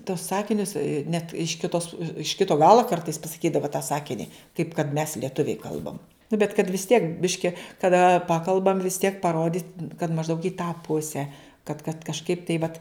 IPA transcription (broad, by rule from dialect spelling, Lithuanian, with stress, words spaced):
toːs ˈsɑːkʲɪnʲʊs nʲɛt ɪʃ kʲɪˈtoːs ɪʃ ˈkʲɪtoː ˈɡɑːlˠoː ˈkɐrtɐɪs pɐsɐˈkʲiːdɐʋɐ tɑː ˈsɑːkʲɪnʲɪ kɐɪp kɐt mʲɛs lʲiɛˈtʊʋʲɛɪ ˈkɐlˠbɐm nʊ bʲɛt kɐt ʋʲɪs tʲiɛk ˈbʲɪʃʲkʲɪ kɐˈdɐ ˈpɑːkɐlˠbɐm ʋʲɪs tʲiɛk pɐˈroːdʲiːtʲ kɐt mɐʒˈdɐʊk iː tɑː ˈpʊsʲɛ kɐt kɐt kɐʃˈkɐɪp tɐɪ ʋɐt